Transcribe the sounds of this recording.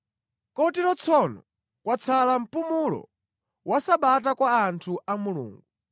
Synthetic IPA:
kɔtiɾɔt͡sʰɔnɔ | kwat͡sʰalam̩pumulɔ̰ | wasaɓatakwaːntʰuʔamulṵːŋɡu

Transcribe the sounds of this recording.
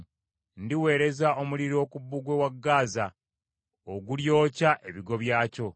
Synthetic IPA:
ndiwe̞ːɾe̞zao̞muliɾo̞ːkubːuɡwe̞waɡːaːza | oɡuljo̞ːcaʔe̞βiɡo̞βjaːco̞

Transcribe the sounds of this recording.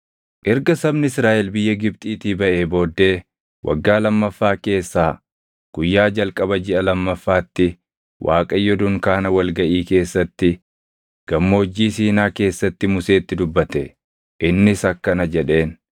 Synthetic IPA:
ʔɪɾɡɐsɐbnɪɪsɾaːʔɛlbɪjːɐɡɪb̚t̪ʼiːt̪iːbɐʔebo̞ːd̪ːe̞ː | wʔɐ̰ɡːaːlɐmːɐfːaːke̞ːsːaː | ɡ̥ʊjːaːd͡ʒɐlkʼɐbɐd͡ʒɪʔɐlɐmːɐfːaːt̪ːɪ | wʔa̰ːkʼɐjːɔd̪ʊŋkaːnɐwɐlɡɐʔiːke̞ːsːɐt̪ːɪ | ɡ̥ɐmːo̞ːd͡ʒːiːsiːnaːke̞ːsːɐt̪ːɪmʊse̞ːt̪ːɪd̪ʊbːɐt̪ɛ | ʔɪnːɪsɐkːɐnɐd͡ʒɛᶑe̞ːn

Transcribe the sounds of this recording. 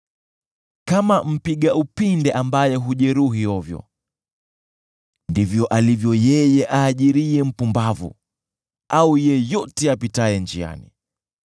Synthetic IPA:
kamam̩piɠaupindɛʔambajɛɦuʄɛɾuɦijɔvjɔ̰ | ndivjɔʔalivjɔjɛjɛʔaːʄiɾiɛm̩pumbavṵ | aujɛjɔtɛapitaɛnd͡ʒia̰nḭ

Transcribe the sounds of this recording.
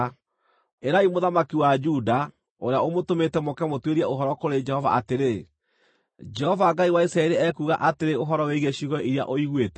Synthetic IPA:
eɾaimoðamakiwad͡ʒuda | oɾeaomotometɛmokɛmotweɾiɛʔoɦɔɾɔkoɾed͡ʒɛhɔva̰ateɾe | d͡ʒɛhɔvaŋɡaiwaisɾaɛɾeɛkuɣaʔateɾeoɦɔɾɔweiɣeɕiɣɔʔiɾia̰ʔoiɣwetɛ̥

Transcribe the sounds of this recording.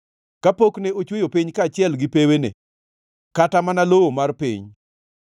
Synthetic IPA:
kapokneot͡ʃwejopiɲkat͡ʃɪɛlɡɪpewenḛ | katamanalowomarpḭɲ

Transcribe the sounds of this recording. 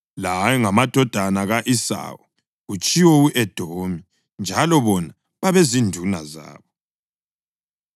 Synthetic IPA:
lajɛŋamad̥ʱɔd̥ʱanaɣaʔisa̰wɔ | ɣut͡ʃʼiwɔuʔɛd̥ʱoːmi | nd͡ʒʱalɔβɔna | βaβezindʱunaza̰ːβɔ

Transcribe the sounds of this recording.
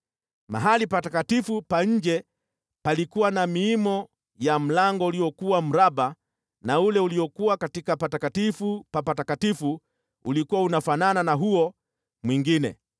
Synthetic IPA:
ma̰ɦalipatakatifupaɲ̩d͡ʒɛ | palikuwanamiimɔ | jam̩laŋɡɔuliɔkuwam̩ɾaɓa | naulɛuliɔkuwakatikapatakatifupapatakatifu | ulikuwaunafanananaɦuɔ | mwiŋɡinɛ̰

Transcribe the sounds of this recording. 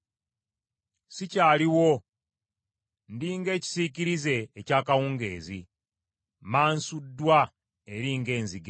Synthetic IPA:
sicaːliwo̞ | ndiːŋɡe̞ːci̥siciɾize̞ːcaːkawuːŋɡe̞̰ːzi | maːnsudːwa | eɾiːŋɡe̞ːnziɡe

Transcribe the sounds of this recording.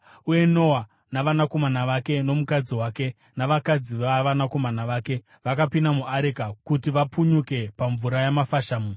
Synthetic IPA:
uje̞no̞wa | naʋanako̞manaʋake̞no̞mukad͡ziwaːke̞ | naʋakad͡ziʋaʋanako̞manaʋaːke̞ | ʋakapinamuʔaɾekakutiʋapuɲuke̞paɱvuɾajamafaʃaːmu

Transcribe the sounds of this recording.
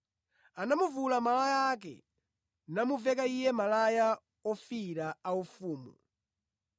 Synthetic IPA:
anamuvulamalajak̬ɛ̰ | namuvɛkaijɛmalaja | ɔfiɾaaufuːmṵ

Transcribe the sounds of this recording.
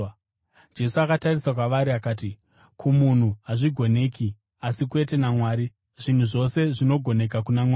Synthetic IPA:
d͡ʒe̞suakatarisak̬waʋaɾiakaːt̬i | kumun̤uaʐiɡʱo̞ne̞ːki | asik̬we̞tenamwaːɾi | ʐ̥in̤uʐo̞se̞ʐino̞ɡʱo̞ne̞k̬akunamwaː

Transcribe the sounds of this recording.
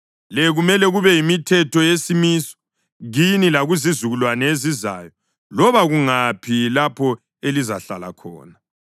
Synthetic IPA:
lɛɣumɛlɛɣuβɛjimitʰɛtʰɔjesimiːsɔ̥ | ɣinilaɣuzizuɣulwanɛeziza̰jɔ | lɔβaɣuŋapʰilapʰɔ | elizaɬala̰kʰɔ̰ːna

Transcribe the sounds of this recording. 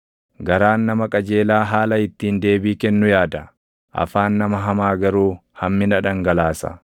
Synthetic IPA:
ɡɐɾaːnːɐmɐkʼɐd͡ʒe̞ːlaːɦaːlɐɪt̪ːiːnd̪e̞ːbiːkɛnːʊjaːd̪ɐ | ʔɐ̰faːnːɐmɐɦɐmaːɡɐɾuːhɐmːɪnɐᶑɐŋɡɐlaːsɐ̰

